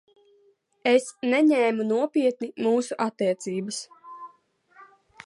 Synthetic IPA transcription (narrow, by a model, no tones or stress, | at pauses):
esnɛɲɛːmunuɔpiɛt̪nimuːsuʔat̪ːiɛt̪siːbəs